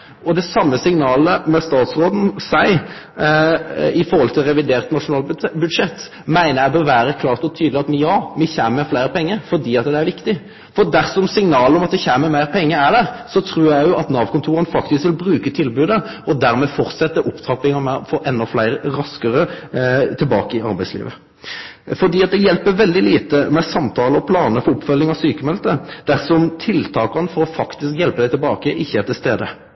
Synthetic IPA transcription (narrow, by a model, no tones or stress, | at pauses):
ɔd̪ɛsɑmːəsɪŋnɑːləmɛst̪ɑːt̪sʁoːd̪n̩sæɪ | ɪfɔɾhɔlt̪ʰɪlʁɛʋɪd̪eːʁt̪nɑʂʊnɑːlbʉd̪ʂɛt̪ː | mæɪnəjæɪbøɾʋæːɾəkʰlɑːʁt̪ɔt̪ʰyːd̪lɪɑt̪mjɑːmɪçæːnəmɛflæɪɾəpʰɛŋːəɾfɔd̪iːɑt̪̚d̪ɛæɾʋɪkt̪ɪ | fɔd̪æɾsɔmsɪŋnɑːləɔmɑt̪̚d̪ɛçæːməmæɪɾpʰɛŋːəæɖæʁsɔt̪ʰɾuːɾjæɪjʊɑt̪nɑːʋkʰʊnt̪ʰuːɾənfɑkt̪ɪskʋɪlbɾʉːkət̪ʰɪlbʉːd̪ə | ɔd̪æɾmɛfɔɾt̪sɛt̪ːəʔʊpt̪ʰɑpɪŋɑmɛfoːɾʔɛnːɔflæɪɾəɾɑskəɾət̪ʰɪlbɑ̰ːkəɪɑɾbæɪslḭːʋə | fɔɖ̪iːɑt̪̚d̪ɛjɛlpəʋɛld̪ɪliːt̪əmɛsɑmt̪ʰɑːləɔpʰlɑːnəfɔʊpːfœlːɪŋɑsyːkəmɛlt̪əd̪æʁsɔmt̪ʰɪlt̪ʰɑːkɑnəfɔɾɔfɑkt̪ɪskjɛlpəd̪æɪt̪ʰɛlbɑːkəʔɪçːəæɾt̪ʰɪlst̪eːd̪ə